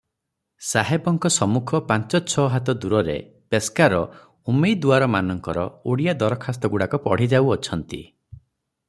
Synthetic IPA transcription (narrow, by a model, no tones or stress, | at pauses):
saɦebɔŋkɔsɔmukʰɔpãnt͡ʃɔt͡ʃʰɔɦat̪ɔd̪uɾɔɾḛ | peskaɾɔ | umejd̪uaɾɔmanɔŋkɔɾɔoɽijad̪ɔɾɔkʰast̪ɔɡuɽakɔpɔɽ̤id͡ʒawɔt͡ʃʰɔnt̪ḭ